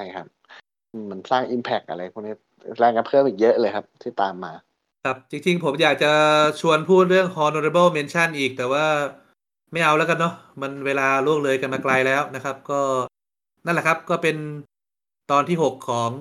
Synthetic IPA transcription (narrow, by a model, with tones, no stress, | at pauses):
a˧˩jkʰa˦˥p̚ | ʔɯː˧˩ma˧nsaː˥˩ŋʔi˧mpʰɛ˦˩k̚ʔa̰˧ɾa˧jpʰu˧˩niː˦˥ | lɛː˧˩ŋka˧npʰɤː˥˩mʔiː˨˩k̚jɤ˦˥ʔlɤː˧jkʰa˦˥p̚t̪ʰiː˥˩t̪a̰ː˨˧mːaː˧ | kʰa˦˩p̚t͡ɕi˧ŋt͡ɕi˧ŋpʰo˩˦mjaː˨˩k̚t͡ɕa˨˩t͡ɕʰu˧ənpʰuː˥˩t̪̚ɾɯ˥˩əŋhɔː˧no˧ɾe˧bɤ˥˩wme˧nt͡ɕʰa˥˩nʔiː˨˩k̚t̪ɛː˨˩waː˥˩ | ma˥˩jʔa˧wlɛː˦˥wka˧nːɔ˦˥ma˧nweː˧laː˧lu˥˩ək̚lɤː˧jka˧nmaː˧kla˧jlɛː˦˥wna˦˥kʰa˦˥p̚kɔː˥˩ | na˥˩nlɛ˨˩kʰa˦˥p̚kɔː˥˩pe˧n | t̪ɔː˧nt̪ʰiː˥˩ho˨˩kʰːɔː˩˦ŋ